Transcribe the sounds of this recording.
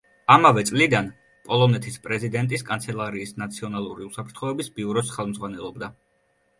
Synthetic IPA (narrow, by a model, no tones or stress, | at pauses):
amavɛt̪sʼlid̪an | pʼɔlˠɔnɛt̪ʰispʼɾɛzid̪ɛnt̪ʼiskʼant̪sʰɛlˠaɾiːsnat̪sʰiɔnalˠuɾiusapʰɾt̪ʰχɔɛbisbiuɾɔsχɛlˠmzʁwanɛlˠɔbd̪a